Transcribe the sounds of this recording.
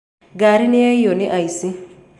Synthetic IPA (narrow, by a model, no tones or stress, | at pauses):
ɡaɾiniajjoniʔajsi